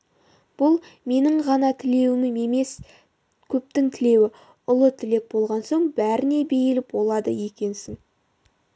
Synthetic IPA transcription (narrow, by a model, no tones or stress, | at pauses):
b̥ʊlˠme̞nɪɴʁɑnɑt̪ʰɪle̞wɪmɪme̞me̞s | kʲʰɵp̚t̪ɪŋt̪ʰɪle̞wɪ | ʊlˠət̪ʰɪle̞k̚bo̞lˠʁɑnso̞ɴbæɾɪne̞be̞jɪlɪpbo̞lˠɑd̪ə̰je̞kʲe̞nsɪŋ